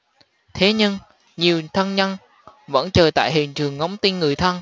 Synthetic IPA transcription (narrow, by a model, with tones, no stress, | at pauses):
t̪ʰe˨˦ɲɨ˧ŋ | ɲi˨˩əwt̪ʰə˧nɲə˧n | və̰˧˥nt͡ɕəː˨˩jt̪a̰ː˧˨jɦḭ˨˩ənt͡ɕɨ˨˩əŋːɔ˨˦wŋ͡mt̪i˧nŋɨ˨˩əjt̪ʰə˧n